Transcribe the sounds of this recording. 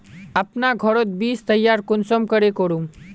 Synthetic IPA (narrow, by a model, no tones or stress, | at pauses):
ɐpnaɡʱɔɾot̪̚biːst̪ɐjːaːɾkʊnsəmkɐɾekoɾum